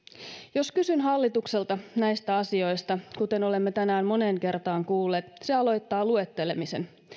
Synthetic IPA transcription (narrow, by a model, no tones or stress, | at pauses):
jo̞skysynɦɑlːit̪ukse̞lt̪ɑnæjst̪æɑsio̞jst̪ɑkut̪e̞no̞le̞mːet̪ænæːmmo̞ne̞ːŋke̞rt̪ɑːŋkuːlːeːt̪seɑlo̞jt̪ːɑːlue̞t̪ːe̞le̞mise̞n